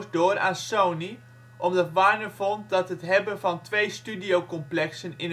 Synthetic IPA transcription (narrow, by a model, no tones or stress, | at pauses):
sdʊːra̰ːnsowni | ʔɔmdɑtʋaːɹnəvɔnt̚dɑtɦətɦɛbənvɑntʋejstydijowkɔmplɛksənɪn